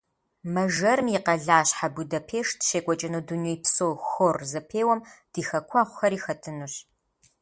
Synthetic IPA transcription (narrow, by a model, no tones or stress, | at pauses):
mɐʒɐrmjɪqɐɮaːɕħabudɐpʰeːʂdʃeːkʷʼɔt͡ʃʼɐnuːdunijpsoːxoːrzɐpʰeːwɐmd̥iːxɐkʷʰɑːʁʷʊxɐɾiːxɐtʰɨnuɕ